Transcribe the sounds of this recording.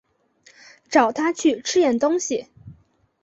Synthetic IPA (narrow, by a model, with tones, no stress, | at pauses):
ʈ͡ʂɑ˨˩ʊt̪ʰa˥t͡ɕʰy˥˩ʈ͡ʂʰɻ̩˥jɛ˥˩nt̪ʊ˥ŋɕi˨˩